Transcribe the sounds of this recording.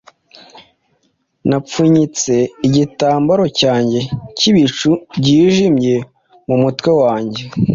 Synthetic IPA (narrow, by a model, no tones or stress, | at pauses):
nap͡fuɲit͡se̞iɟitaːmbaɾo̞caːɲɟe̞ciβit͡ʃubɟiːʒimje̞ | mumutwe̞waːɲɟe̞